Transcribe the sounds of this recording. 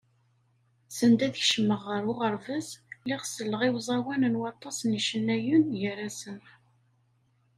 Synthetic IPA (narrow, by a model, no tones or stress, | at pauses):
sənd̪æðçʃəmːəʁːəɾʊʁəɾvæslɪʁsəlːəʁɪwzˤɑwænənwɑt̪ˤːɑsniʃənːæjunjəɾæsən